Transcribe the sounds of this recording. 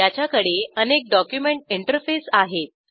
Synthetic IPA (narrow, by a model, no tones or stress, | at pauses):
jat͡ɕjakəɽeənek̚ɖɔkjumeɳʈiɳʈəɾfesaɦet̪̚